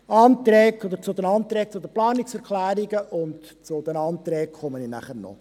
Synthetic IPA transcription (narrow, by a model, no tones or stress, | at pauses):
ɑːnt̪ɾɛːkod̪əɾt͡sʊd̪ənɑnt̪ɾɛːk̚t͡sʊd̪əplɑːniksɛɾkʰlæːɾiɡəʔʊnt | t͡sʊd̪ənɑːnt̪ɾɛːkχɔmənɪnæ̰χənɔ̰